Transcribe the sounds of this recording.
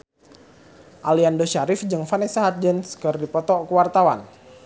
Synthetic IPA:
ʔaliandoʃaɾɪfd͡ʒɨŋfanɛsaɦat̪̚d͡ʒənskərdipɔt̪ɔkəwart̪awa̰n

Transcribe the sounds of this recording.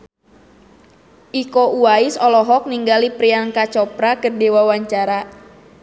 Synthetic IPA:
ʔikoʔuaɪsɔlɔɦɔk̚niŋɡalipɾiaŋkat͡ʃɔpɾakərdewawaɲt͡ʃaɾa

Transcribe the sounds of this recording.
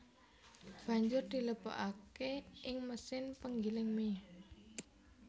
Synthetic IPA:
b̥ä̤ɲd͡ʒʊrd̪̥i̤ləpo̰ʔakeʔɪŋməsɪnpəŋɡilɪŋme

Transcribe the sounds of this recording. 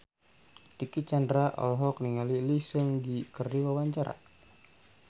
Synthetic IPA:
tikit͡ʃandɾaʔɔ̰lɦɔkniŋalilisəŋdikərdiwawaɲt͡ʃaɾa̰

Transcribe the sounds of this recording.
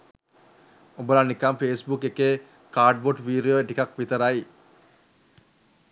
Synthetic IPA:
obəlanikamfeːsbukekeː | kaːɖ̚boʈʋiːɾioeʈikakʋit̪əɾai

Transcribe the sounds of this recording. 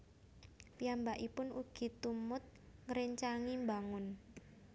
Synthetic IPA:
pijambaʔipʊnuɡ̥i̤t̪umʊt̪̚ | ŋəɾeɲt͡ʃaŋimbaŋʊn

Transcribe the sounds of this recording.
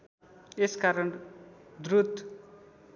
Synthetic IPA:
eskaɾʌnd̪rut̪

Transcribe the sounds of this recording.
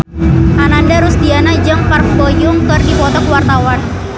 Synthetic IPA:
ʔanandaɾust̪ianad͡ʒaŋparbɔjʊŋkərdipɔt̪ɔkwart̪awan

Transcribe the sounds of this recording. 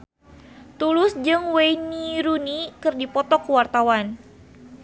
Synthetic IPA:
t̪ulʊsd͡ʒɨŋwejniɾunikɨrdipɔt̪ɔkəwart̪awan

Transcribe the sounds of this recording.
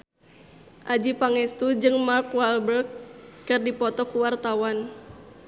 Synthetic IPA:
ʔad͡ʒipaŋɛst̪ud͡ʒɨŋmarkwalbərkkɨrdipɔt̪ɔkuwart̪awan

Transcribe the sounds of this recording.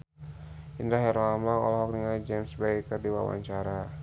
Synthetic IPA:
ʔindɾaɦɛɾamlaŋɔ̰lɔɦɔk̚niŋalid͡ʒɛmsbɛkərdiwa̰wa̰ɲt͡ʃaɾa

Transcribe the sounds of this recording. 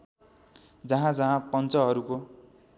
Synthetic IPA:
d͡zʌɦãd͡zʌɦãpʌnt͡sʌɦʌɾuko

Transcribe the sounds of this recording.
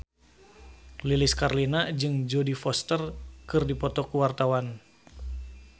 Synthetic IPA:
liliskarlinad͡ʒɨŋd͡ʒɔdifɔst̪ərkɨrdipɔt̪ɔkuwart̪awan

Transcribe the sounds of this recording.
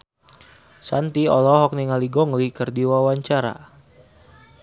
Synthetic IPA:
sant̪iɔ̰lɔɦɔk̚niŋaliɡɔŋlikərdiwawaɲt͡ʃaɾa̰

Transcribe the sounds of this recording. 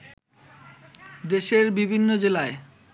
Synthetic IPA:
d̪eʃeɾbibʱinːod͡ʑelae

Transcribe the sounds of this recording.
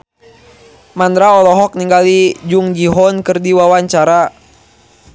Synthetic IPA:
mand̪ɾaɔlɔɦɔk̚niŋɡalid͡ʒuŋd͡ʒiɦɔnkɨrdiwawaɲt͡ʃaɾa

